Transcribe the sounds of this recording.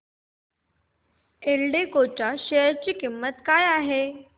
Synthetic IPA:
eɭɖekot͡ɕaɕeəɾt͡ɕiːkimːət̪kajaɦe

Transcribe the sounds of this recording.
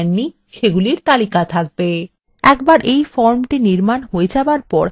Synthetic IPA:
nːi | ʃeɡuliɾt̪alikat̪ʰak̚be | ɛkbaɾʔejfɔɾmʈiniɾmanɦoed͡ʑabaɾpɔɾ

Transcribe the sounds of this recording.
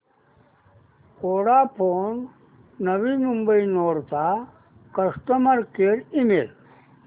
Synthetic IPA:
oːɽapʰoːnː | əʋimumbəinoːɾt̪a | kəsʈəməɾkeɾimel

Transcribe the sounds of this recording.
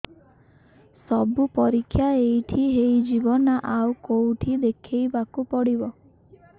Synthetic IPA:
sɔbupɔɾikʰːjaejʈʰiɦejd͡ʒibɔnaʔaukowʈʰid̪ekʰejbakupɔɽibɔ

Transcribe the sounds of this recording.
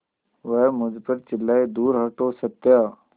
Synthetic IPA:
ʋəmʊd͡ʒpəɾt͡ʃɪlːaed̪uːɾɦəʈosət̪jaː

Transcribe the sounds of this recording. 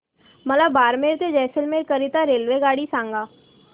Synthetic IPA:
mɐlabaːɾmeːɾt̪ed͡ʒɛːsəlmekəɾɪt̪aɾeːlʋeɡaːɽisãːŋɡaː

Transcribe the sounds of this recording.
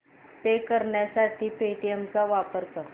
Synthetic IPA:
t̪ekəɾɳjasaʈʰiːpeʈiemt͡saʋapəɾkəɾ

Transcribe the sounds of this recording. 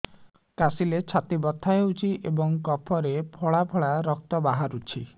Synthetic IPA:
kasilet͡ʃʰat̪ibɔt̪ʰːaewt͡ʃʰiʔebɔŋkɔpʰɔɾepʰɔɭapʰɔɭaɾɔk̚t̪ɔbaɦaɾut͡ʃʰi

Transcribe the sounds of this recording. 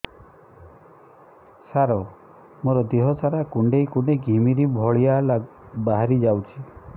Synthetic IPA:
saɾɔ | moɾɔd̪iɦɔsʰaɾakuɳɖejkuneɡʱimiɾibʱɔɭijabaɦaɾid͡ʒawt͡ʃʰi

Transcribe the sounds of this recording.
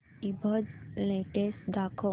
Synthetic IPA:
ibʱəd͡zleʈesʈd̪akʰɔ

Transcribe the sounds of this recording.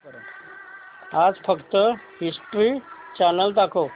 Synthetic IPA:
ɾ | aːd͡zfʰəkt̪ə | hisʈɾit͡ʃanəlt̪̬akʰo

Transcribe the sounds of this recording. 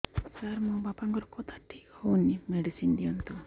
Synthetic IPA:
kaɾmũbapaŋkɔɾɔkɔt̪ʰaʈʰikhownimeɖisind̪ijɔnt̪u

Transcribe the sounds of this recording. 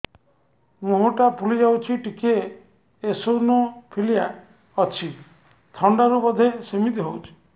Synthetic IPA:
moɦɔʈapʰulid͡ʒawt͡ʃʰiʈikeː | sownɔpʰilija | ɔt͡ʃʰi | t̪ʰɔɳɖaɾubɔd̪ʱesemit̪iɦowt͡ʃʰi̥

